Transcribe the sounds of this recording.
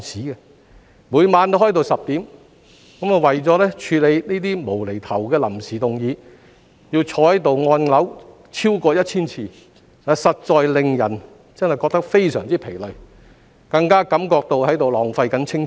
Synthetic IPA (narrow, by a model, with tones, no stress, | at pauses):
siː˨˥kɛ˧ | muː˨˧jmaː˨˧nt̪ɦɔː˥jt̪o˨wsɐ˨p̚t̪iː˨˥m | kɐ˨˥ma˨wɐ˨˩jt͡sɔː˨˧˥lɛː˥t͡ʃʰyː˧le˨˧jniː˥t̪̬iː˥mo˨˩wle˨˩jt̪ʰɐ˨˩wkɛː˧lɐ˨˩msiː˨˩t̪ʊ˨˩ŋjiː˨˧ | jiː˧wt͡sʰɔː˧˥hɐ˨˥jt̪o˨wŋɔː˧nlɐ˨˥w | t͡sʰiː˥wkɔː˧jɐ˥t̚t͡sʰiː˥nt͡sʰiː˧ | aː˨˧sɐ˨t̚t͡sɔː˨˧jlɪ˨ŋjɐ̰˨˩n | t͡sɐ˥nhɐ˨jkɔː˧k̚t̪ɐ˥k̚fe˥jsœ̰ː˨˩ŋt͡siː˥pʰe˨˩lɵ˨ɥ | kɐ˧ŋkaː˥kɐ˨˥mkɔː˧k̚t̪o˧whɐ˨˥jt̪o˨wlɔː˨ŋfɐ˧jkɐ˨˥nt͡sʰɪ˥ŋ